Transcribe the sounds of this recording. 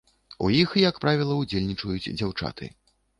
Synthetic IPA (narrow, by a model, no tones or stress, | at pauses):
ṵjixjakpɾavʲilˠɐud͡zʲelʲnʲit͡ʂɐjut͡sʲd͡zʲawt͡ʂa̰t̪ʰɨ̰